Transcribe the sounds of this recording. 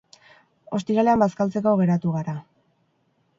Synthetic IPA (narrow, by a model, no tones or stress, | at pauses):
o̞st̪iɾale̞ambaskalt͡se̞ko̞ɣe̞ɾat̪uɣaɾa